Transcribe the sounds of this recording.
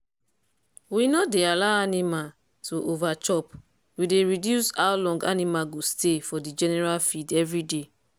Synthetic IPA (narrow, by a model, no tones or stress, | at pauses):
winɔdealaanĩmal | tuʔovat͡ʃɔp | wideɹidjusaʊlɔ̃ŋɡa̰nĩmaɡostefɔdid͡ʒɛnɛɹalfidɛvɹide